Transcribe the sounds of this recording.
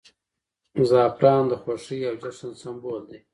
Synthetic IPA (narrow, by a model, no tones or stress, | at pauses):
zɑːpɾɑːnd̪əxwaʂiawd͡ʒaʂansamboːld̪e